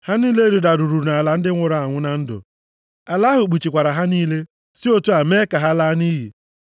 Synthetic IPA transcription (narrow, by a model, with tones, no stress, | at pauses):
ha˦ni˦le˦ɾu˨da˨ɾu˨ɾu˨ɾna˨la˨n̩˦dɪ˦ŋʷʊ˨ɾa˨a˨ŋʷʊ˦na˦n̩˦dʊ̰˨ | a˨la˦ɦʊ˨k͡pu˨t͡ʃi˨kʷa˨ɾa˨ɦa˦niː˦le˦ | si˦o˦tu˦a˨me˦ka˨ɦa˦la˦ni˦ɦḭ˨